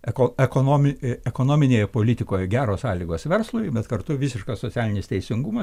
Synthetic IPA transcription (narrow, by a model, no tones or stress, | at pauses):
ɛkoɛkonoːmʲɪɛkoːnoːmʲɪnʲeːjɛpoːlʲɪt̪ʲɪkoːjɛɡʲæːɾoːssɑːlʲiːɡoːsʋʲɛrslˠoːjbʲɛt̪kɐrt̪ʊʋʲɪsʲɪʃkɐssoːt͡sʲæːlʲɪnʲɪst̪ʲɛɪsʲɪŋɡumɐs